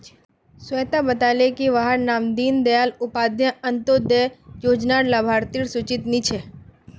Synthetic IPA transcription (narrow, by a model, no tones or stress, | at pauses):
sʋet̪abət̪alekiʋaɦəɾnaːmd̪iːnd̪əjaːlʊpaːd̪jə̃ə̃nt̪od̪ejoːd͡ʒnaɾlabʱaːɾt̪iɾsʊt͡ʃɪt̪nit͡ʃʰe